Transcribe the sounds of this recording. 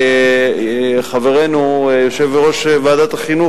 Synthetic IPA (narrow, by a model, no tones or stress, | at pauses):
χaveʁenujoʃevbeʁo̞ʃvaːd̪at̪aχinu